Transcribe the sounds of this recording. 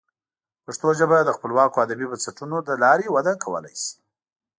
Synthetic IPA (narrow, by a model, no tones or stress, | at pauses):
paʂt̪oʒəbad̪əxpəlwɑkoad̪abibansaʈunod̪əlɑɾewad̪akʰawə̰la̰jsi̥